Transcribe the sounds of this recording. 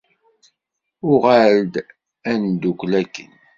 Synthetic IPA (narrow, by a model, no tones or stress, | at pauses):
ʊʁald̪ | ænd̪ukʷlækːə̰n